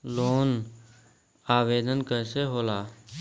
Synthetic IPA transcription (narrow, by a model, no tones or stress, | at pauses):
loːn | aːʋeːd̪ʱənkəɪseɦoːlaː